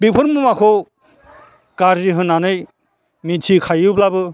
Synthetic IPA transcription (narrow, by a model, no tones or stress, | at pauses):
bipʰɯɾmumakʰɔ | kaɾziɦɯnːanɯj | mitʰikʰajblabɯ